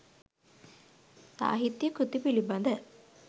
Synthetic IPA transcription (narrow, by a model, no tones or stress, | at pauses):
sa̰ːɦit̪jəkut̪ipiliband̪ə